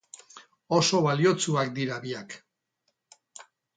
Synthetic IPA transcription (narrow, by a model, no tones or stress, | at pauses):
o̞so̞βalio̞t͡suakd̪iɾaβiak